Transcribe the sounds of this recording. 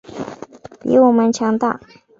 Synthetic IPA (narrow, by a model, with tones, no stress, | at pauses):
pḭ˧˥wɔ˨˩mə˦nt͡ɕʰjɑ˧˥ŋt̪a̰˥˩